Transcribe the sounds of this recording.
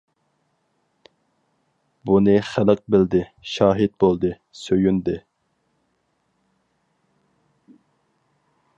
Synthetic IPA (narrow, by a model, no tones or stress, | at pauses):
bunɨχælɪq̚bɪld̪ɪʃɑːɦɪt̪̚bolˠd̪ɨ | søjynd̪ɪ